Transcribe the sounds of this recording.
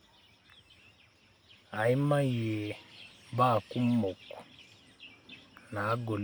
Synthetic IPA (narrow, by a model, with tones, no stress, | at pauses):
a˨i˦ma˦jɛ˨ba˦˨ku˦m̩˦mɔ˨ku̥˨ | naː˨˦ɡɔ˨l